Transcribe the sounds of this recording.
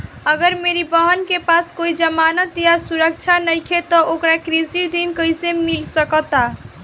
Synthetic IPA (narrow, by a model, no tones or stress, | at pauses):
əɡəɾmeɾibəɦənkepaskoid͡ʒəmanət̪jasuɾəkt͡ʃʰanəjkʰet̪ɔʔokɾakɾizid̪inkəisemilsəkɔt̪a